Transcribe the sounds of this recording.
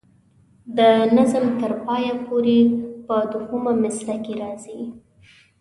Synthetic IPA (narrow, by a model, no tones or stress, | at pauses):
d̪ənazəmt̪əɾpɑjapoɾepəd̪ʊxumamɪslakeɾɑzi